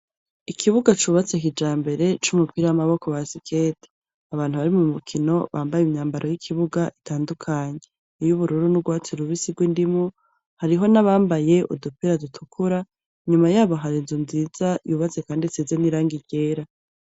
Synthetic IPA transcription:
ikʰiβuɡat͡ʃuːβat͡sekid͡ʒaːmbe̞ɾe̞t͡ʃumupiɾawamaβo̞ko̞βasikʰete̥ | aβaːn̥huβaɾimumukʰino̞βaːmbajumɲaːmbaɾʔo̞jikʰiβuɡaʔitaːndukʰaɲe̞ | ijuβuɾuɾunubɡwaːt͡siɾuβisiɡwindimo | haɾiɦo̞naβaːmbaje̞ṵdupiɾadutʰukʰuɾa | iɲumajaːβo̞ɦaɾinzunziːz̥ajuːβat͡se̞kaːndit͡sizeniɾaːŋɡiɟe̞ːɾa

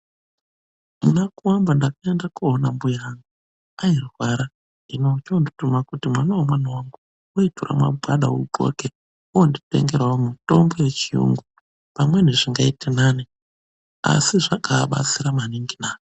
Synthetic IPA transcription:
munakuwambandakaendakuonambujaːŋɡu | airwaɾa | inot͡ʃonditumakutimwanawomwanawaŋɡu | uitura̰mwa̰bʱwaɗa̰uɡo̰ke | ujondite̞̰ŋɡe̞rwaomuto̞mbo̞je̞t͡ʃijṵŋɡu | pamwe̞neʐiŋɡaitenani | a̰siʐakaɓa̰t͡siɾamaniŋɡinaːo

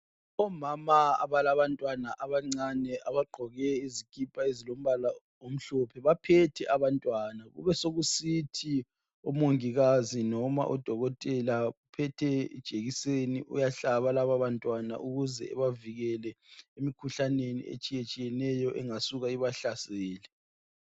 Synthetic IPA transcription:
ɔmamaa̰βalaβantʼwanaʔaβaŋ͡ǀanɛʔaβaɡ͡ǃʱɔɣɛizikʰʼipʼaezilom̩βala | om̩ɬɔpʰɛβapʰɛtʰɛʔaβantʼwanaɣṵβɛsoɣusitʰi | ɔmoŋiɣazinɔma̰ʔɔd̥ʱɔɣɔtʼɛlaupʰɛtʰɛḭd̥ʒ̥ʱeɣiseniʔṵjaɬaβalaβaβantʼwana̰ʔuɣuzɛ̰ɛ̰βaviɣɛlɛemikʰuɬanenḭḛt͡ʃʼijet͡ʃʼijɛnɛjɔʔɛŋasuɣaiβaɬasɛːlɛ

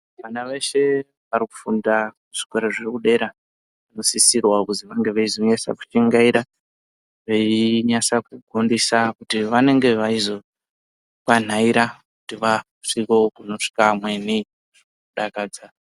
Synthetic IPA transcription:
ʋanaʋe̞ʃe̞ | ʋariku̥funda | uʐ̥i̥kaɾaʐirikuɗe̞ɾa | ʋano̞sisirwakuziʋaŋɡe̞ʋeizo̞ɲasa̰ku̥t͡ʃiŋɡaiɾa | ʋeiɲasakuɡʱondisakutiʋane̞ŋɡe̞ʋaizo̞ | kwan̤aiɾakutiʋa | ʂikokuno̞ʂi̥kamwe̞ni | ʐikuɗakaːd͡za

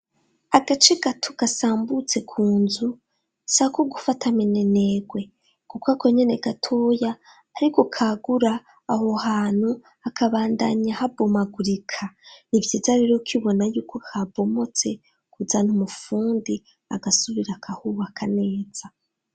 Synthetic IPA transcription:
aɡ̥at͡ʃeɡatʰoɡ̥asaːmbut͡se̞kʰuːnzu | sakoɡufatʰaminene̞ɡwe̞ | kukwako̞ɲe̞ne̞ɡatʰojaː | ɾikokʰaɡuɾaː | ho̞ɦaːn̥hu | akʰaβaːndaɲahabo̞maɡuɾikʰanivjiːzaɾe̞ɾokʰiβo̞najuːkʰo̞kʰabo̞mo̞t͡se̞ | kuzanumufuːndi | a̰ɡasuβiɾakʰahuwakʰane̞ːz̥a

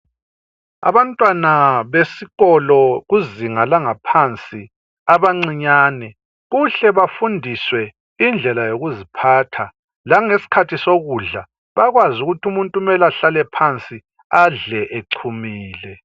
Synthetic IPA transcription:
a̰βantʼwanaβesiɣɔlɔɣuziŋalaŋapʰant͡sʼi | aβaŋ͡ǀiɲaːnɛ | ɣuɬɛβafundʱiswɛ | ind͡ɮʱɛlajoɣuzipʰaːtʰa | laŋesi̥kʰatʰisoɣuɮa | βaɣwazuɣutʰumuntʼumɛlaɬalɛpʰant͡sʼi | aɮɛʔeǀʰumiːlɛ

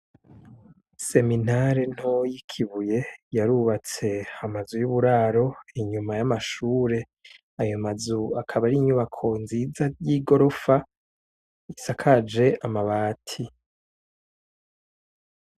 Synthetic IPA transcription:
se̞minaɾen̥hojikʰiβuje̞jaɾuːβat͡se̞amazujuβuɾaːɾo̞iɲumajamaʃuːɾe̞ | ajomazuakʰaβaɾiɲuβakʰo̞nziːzajiɡo̞ɾo̞fa | isakʰad͡ʒe̞amaβaːtʰi

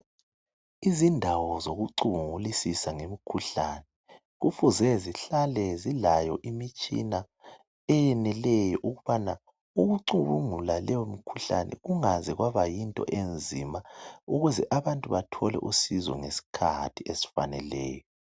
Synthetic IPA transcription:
izindʱawɔzoɣuǀuβuŋulisisaŋemikʰuɬaːnɛ | ɣufuzɛziɬalɛzilajɔʔimit͡ʃʼḭna | ɛjɛnɛlɛjɔʔuɣuβana | uɣuǀuβuŋulalɛjomikʰuɬa̰nɛ̰ɣuŋazɛɣwaβajintʼɔ̰ʔend͡zʱimauɣuzɛʔaβantʼuβatʰɔlɛ̰ʔusizɔ̰ŋesi̥kʰa̰tʰiesi̥fa̰nɛlɛːjɔ

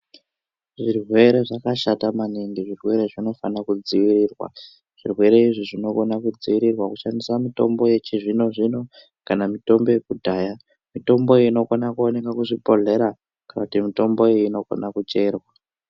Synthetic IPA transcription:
ʐirwe̞ɾe̞ʐakaʃatamaniŋɡiʐirwe̞ɾe̞ʐino̞fanakud͡ziwiɾirwa̰ | ʐ̥irwe̞ɾe̞iʐiʐino̞konakud͡ziwiɾirwakuʃandisamito̞̰mbo̞je̞t͡ʃiʐino̞ʐino̞ | kanamito̞mbo̞jekudʱaːja | mito̞mbo̞ino̞konakuone̞kakuʐipo̞ɮe̞ɾa | kanakutimito̞mbo̞iiːno̞ko̰nakut͡ʃe̞ːrwa

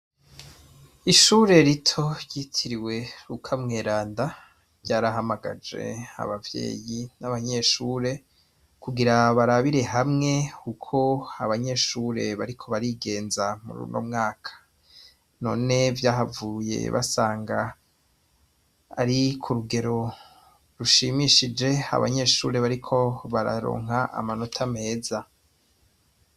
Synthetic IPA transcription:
iʃuːɾe̞ɾitʰo̞ɾɟitʰiɾiwe̞ɾukʰamŋe̞ːɾaːnda | ɟaːɾaɦamaɡa̰d͡ʒe̞̰a̰βavje̞̰ːjinaβaɲe̞ʃuːɾe̞ | kuɡiɾaβaɾaβiɾe̞ɦamŋe̞kukʰo̞aβaɲe̞ʃuːɾe̞βaɾikʰo̞βaɾiɡe̞ːnzamṵɾṵːnʔo̰mŋaːkʰḁ | no̞̰ːne̞vjaːɦavuje̞̰βa̰saːŋɡa | ɾikʰuɾuɡe̞ɾo̞ | ɾuʃimiʃid͡ʒe̞a̰βa̰ɲe̞ːʃṵːɾe̞βaɾikʰo̞βaɾa̰ɾo̰ːŋ̥aʔa̰mano̞tʰame̞ːza

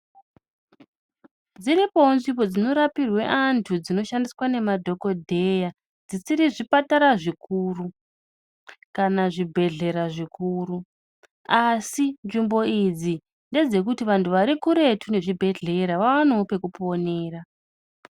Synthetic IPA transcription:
d͡ziɾipo̞nʐibo̞d͡zino̞ɾapirwe̞̰ʔantʰud͡zino̞ʃandiswane̞madʱo̞ko̞dʱe̞ja | d͡zisiɾiʐipataɾaʐikʰuru | kanaʐibʱe̞ɮe̞ɾaʐikuːɾu | asinʐimbo̞id͡zi | nde̞d͡ze̞k̬utiʋantʰuʋaɾikuɾe̞tʰune̞ʐibʱe̞ɮe̞ɾaʋaʋanope̞kupo̞neːra

